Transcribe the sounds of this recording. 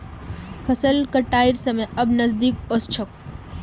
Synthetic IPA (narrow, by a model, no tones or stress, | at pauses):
fʰɐsəlkəʈaːiɾsɐmẽɐbnɐzd̪iːkost͡ʃʰək̚